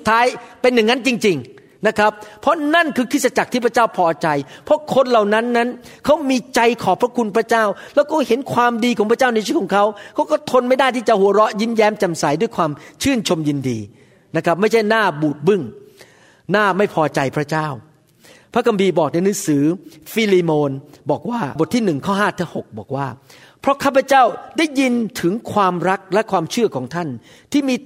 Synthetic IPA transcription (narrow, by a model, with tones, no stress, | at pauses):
u˨t̪ʰːaː˦˥jpe˧nːɯ˨˩ŋa˦˥nt͡ɕi˧ŋt͡ɕi˧ŋ | na˦˥kʰɾa˦˥p̚ʰːɔ˦˥na˥˩nkʰɯː˧kʰɯː˥˩t̪̚sa˧t͡ɕa˨˩t̪ʰiː˥˩pʰɾa˧˥t͡ɕaː˥˩wpʰɔː˧t͡ɕa˧jpʰɾɔ˦˥kʰo˧nla˨˩wna˦˥nːa˦˥n | kʰa˦˥wmiː˧t͡ɕa˧jkʰɔː˨˩˦pʰɾa˦˥kʰu˧npʰɾa˦˥t͡ɕaː˥˩wlɛː˦˥wkɔː˥˩he˨˩˦nkʰwaː˧mdiː˧kʰɔː˨˦ŋpʰɾa˥t͡ɕaː˥˩wna˧t͡ɕʰiː˥˩kʰɔː˩˦ŋkʰa˦˥wkʰa˦˥wkɔː˥˩t̪ʰo˧nma˥˩jda˥˩jt̪ʰiː˥˩t͡ɕa˨˩hu˨˩˦ɾɔ˦˥ʔji˦˥njɛː˦˥mt͡ɕa˧msa˩˦jdu˥˩jkʰwaː˧mt͡ɕʰɯː˥˩nt͡ɕʰo˧mjɯ˧ndḭː˧ | na˦˥kʰɾa˦˥p̚ma˥˩jt͡ɕʰa˥˩jnaː˥˩buː˨˩t̪̚bɯ˥˩ŋ | naː˥˩ma˥˩jpʰɔː˧t͡ɕa˧jpʰɾa˦˥t͡ɕaː˥˩w | pʰɾa˦˥kʰa˧mpʰiː˧bɔː˨˩k̚na˧jnɯː˨˦˥ŋsɯː˩˦fiː˧liː˧moː˧nbɔː˨˩k̚waː˥˩bo˨˩t̪ʰːiː˥˩nɯ˨˩ŋkʰɔː˥˩ɦaː˥˩t̪ʰaː˦˥ho˨˩k̚bɔː˨˩k̚waː˥˩ | pʰɾɔ˦˥kʰaː˥˩pʰa˧˥t͡ɕa˥˩wdaː˥˩jːi˧nt̪ʰɯ˩˦ŋkʰwaː˧mɾa˦˥k̚lɛ˦˥kʰwaː˧mt͡ɕʰɯ˥˩kʰɔː˩˦ŋt̪ʰa˥˩n | t̪ʰiː˥˩miː˧